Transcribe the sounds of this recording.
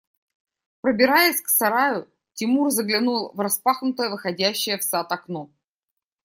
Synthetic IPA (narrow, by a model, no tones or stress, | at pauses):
pɾəbʲɪɾajɪsʲksɐɾajʊ | tʲɪmurzəɡlʲɪnulˠvrɐspaxnʊt̪əjəvɨxɐdʲæɕːɪjəfsat̪ɐkno